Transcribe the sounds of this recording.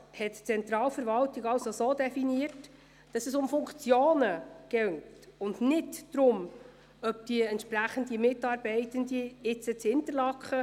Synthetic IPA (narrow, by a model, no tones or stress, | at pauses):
hɛtt͡sɛnt̪ɾɑːlfəɾʋɑltɪɡɑwsosoːdɛfiniət | d̥ɑsɛsʊmfʊŋkt͡sjoːnəɡ̥ɛŋtʊndnɪdd̥ɾʊm | œp̚d̥iəɛntʃpræχəndimɪtɑːɾbɛɪtəndiɪt͡sət͡shɪntərlɑkχə